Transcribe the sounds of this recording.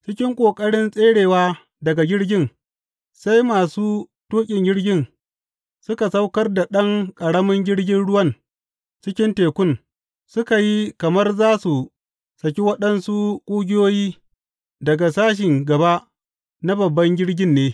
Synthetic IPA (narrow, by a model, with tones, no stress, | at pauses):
t͡ʃɪ˦kʲɪ˦ŋkʷʼoː˨kʼɐ˦ɽɪ˦nsʼeː˦ɽeː˨waː˦ | dɐ˨ɡa˨ɡʲɪ˦ɽɡʲɪ˦n | sa˦jmaː˨suː˦toː˦kʲʼɪ˨ŋɡʲɪ˦ɽɡʲɪ˦n | sʊ˦ka˨sa˦wkɐ˦rda˨ɗɐ˦ŋkʼɐ˨ɽɐ˦mɐ˦ŋɡʲɪ˦ɽɡʲɪ˦nɽʊ˦wɐ˦n | t͡ʃɪ˦kʲɪ˦nteː˨kʷʊ˦n | sʊ˦ka˨ji˦kɐ˨mɐ˦rzaː˦su˨ | sɐ˨k̬ʲi˦wɐ˦ɗɐ˦nsu˦kʷʼuː˦ɡʲɪ˦joː˦jiː˦ | dɐ˨ɡa˨saː˦ʃ̬ɪ˨ŋɡɐ˨ba˦ʔ | na˦bɐ˨bːɐ˦ŋɡʲɪ˦ɽɡʲɪ˦nːeː˦